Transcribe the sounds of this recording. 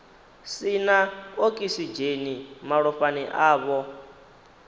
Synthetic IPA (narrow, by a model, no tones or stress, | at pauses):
sinaokʼisid͡ʒenimaɺɔɸaniʔaːβɔ